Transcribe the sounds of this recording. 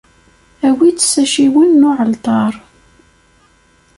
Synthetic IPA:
æwit͡sːsæʃiwənːʊʕəlt̪ˤɑɾˤ

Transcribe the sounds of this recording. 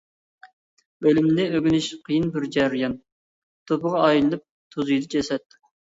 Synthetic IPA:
bølymnɪøɡʲinyʃqʰijinbɪɾd͡ʒæɾjɑn | t̪ʰopəʁɑːjillˠɨp̚ | t̪ʰuzɨjd̪ɑt͡ʃʰɛsɛt̪̚

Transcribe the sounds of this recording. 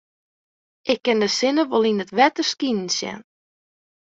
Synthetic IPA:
ʔɪkːɪndəsɪnəʋolˠinətʋɛtərskinn̩sjɛ̰n

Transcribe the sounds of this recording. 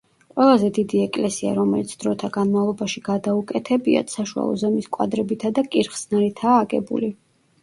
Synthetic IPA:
qʼwɛlˠazɛd̪id̪iɛkʼlɛsia̰ɾɔmɛlit̪sʰd̪ɾɔt̪ʰaɡanmavlˠɔbaʃiɡad̪aukʼɛt̪ʰɛbia̰t̪saʃua̰lˠɔ̰zɛmiskʼwa̰d̪ɾɛbit̪ʰad̪akʼiɾχsnaɾɛt̪ʰaːɡʼɛbṵli

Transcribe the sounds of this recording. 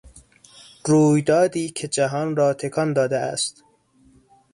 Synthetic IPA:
ruːjd̪ɒːd̪iːcʰe̞d͡ʒæɦɒːnɾɒːt̪ʰe̞kʰɒnd̪ɒːd̪eæ̰st̪

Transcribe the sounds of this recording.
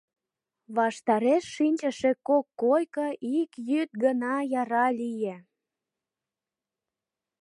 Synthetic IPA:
βɑʃt̪ɑɾeʃːinʲt͡ɕə̆ʃekokːojkəʔikjyt̪̚ɡənɑjɑɾɑlʲije

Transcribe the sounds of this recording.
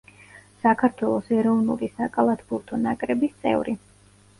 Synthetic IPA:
sakʰaɾt̪ʰwɛlˠɔsɛɾɔvnulisakʼalˠat̪ʰbuɾt̪ʰɔnakʼɾɛbist̪sʼɛ̰vɾi

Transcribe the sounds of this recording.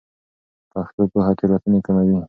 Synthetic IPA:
paxt̪opəɦat̪eɾat̪unekamawi

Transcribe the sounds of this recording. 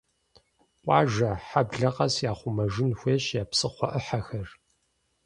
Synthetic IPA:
ʔʷʼɑ̰ːʒɐħabɮɐqɐsjaːχʷʊmɐʒɪnxʷeːɕjaːpsɨχʷɔʔəħaxɐr

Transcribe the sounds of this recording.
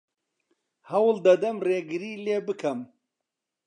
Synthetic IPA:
hɐwld̪ɐd̪ɐmreːɡɨɾiːleːbɨkʰɐm

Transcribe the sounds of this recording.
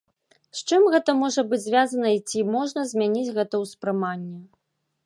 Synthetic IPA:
st͡ʂɨmɣɛt̪ɐmɔʐɐbɨd͡zʲzʲvʲjazɐnɐit͡sʲimɔʐnɐzʲmʲanʲit͡sʲɣɛt̪ɐwspɾɨmanʲːɛ

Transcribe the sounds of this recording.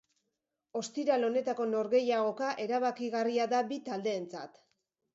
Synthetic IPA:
o̞st̪iɾalo̞ne̞t̪ako̞no̞ɾɣe̞jaɣo̞kaʔe̞ɾaβakiɣariaðabit̪ald̪e̞ːnt͡sa̰t̪

